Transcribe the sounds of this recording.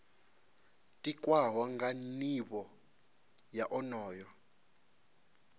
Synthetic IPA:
tʼikʼwawaŋɡaniɓɔ | jaʔɔnɔːjɔ

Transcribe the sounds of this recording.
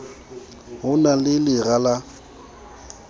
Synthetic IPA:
ɦʊnalɪlɪrala

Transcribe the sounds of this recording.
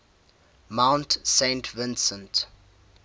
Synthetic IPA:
mãwntsẽɪntʰvɪ̃nsə̃nt

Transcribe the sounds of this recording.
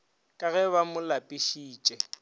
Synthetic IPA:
kʼaɣɛβamʊlapʼiʃiːt͡ʃʼɛ

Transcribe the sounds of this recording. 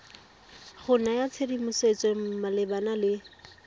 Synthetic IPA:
χʊnajat͡sʰedimʊset͡sʼɔm̩malɪbanalɪ

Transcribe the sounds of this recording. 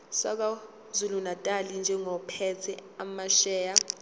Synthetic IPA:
sak̬a | zulunatʼalind͡ʒʱɛŋɔpʰɛt͡sʰɛamaʃɛːja

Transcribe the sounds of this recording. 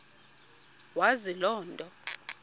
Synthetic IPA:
wazilɔːndʼʱɔ

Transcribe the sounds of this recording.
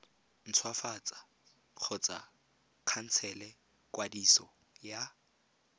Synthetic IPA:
n̩t͡sʰwafat͡sʼḁ | q͡χʰʊt͡sʼa | kʰan̩t͡sʰɛlɛ | kʼwadisɔ | ja

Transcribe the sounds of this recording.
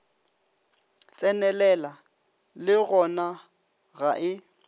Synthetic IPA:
t͡sʼɛnɛlɛla | lɪɣɔna | ɣaʔɪ

